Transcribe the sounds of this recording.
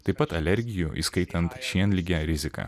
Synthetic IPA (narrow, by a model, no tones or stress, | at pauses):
t̪ɐɪpɐt̪ɐlʲɛɾʲɡʲɪjuʔḭːskɐɪt̪ɐnt̪ʃʲiɛnlʲɪɡʲæːɾʲɪzʲɪkɑ̰ː